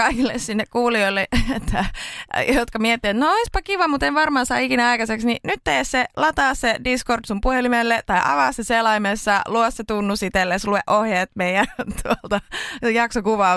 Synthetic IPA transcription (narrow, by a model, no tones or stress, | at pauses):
kɑikilːessinːekkuːlioilːeet̪ːæjot̪kɑmiet̪ːiet̪nooispɑkiʋɑmut̪enʋɑrmɑːsɑːikinæɑikɑseksninyt̪t̪eːsselɑt̪ɑːssediskordsumpuhelimelːet̪ɑiʔɑ̰ʋɑːsːeselɑimesːɑluosset̪unːusit̪elːeslueʔohjeːt̪meiænt̪ʰuolt̪ɑjɑksokuʋɑː